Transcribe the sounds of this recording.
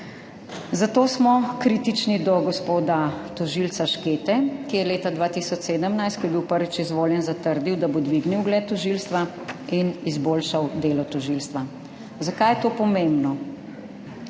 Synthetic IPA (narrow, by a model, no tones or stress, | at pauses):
zat̪oːsmɔkɾiːt̪it͡ʃnid̪ɔɡɔspoːd̪at̪ɔʒilsaʃkeːt̪ɛkijɛleːt̪ad̪ʋaːt̪isɔt͡ʃseːd̪əmnajst̪kɔjɛbiwpəɾʋit͡ʃizʋoːljɛnzat̪əɾd̪iwd̪abod̪ʋiɡniwɡlɛːt̪ːɔʒilst̪ʋa | inizboːlʃawd̪eːlɔt̪ɔʒilst̪ʋa | zakajɛt̪oːpɔmembnɔ